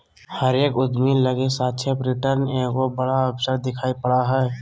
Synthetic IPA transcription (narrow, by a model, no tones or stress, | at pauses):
həɾeːkʊd̪miːlːəɡesaːt̪ːt͡ʃʰepɾɪʈəɾneɡobəɽaəpsəɾd̪ɪkʰaːipəɽaɦɛː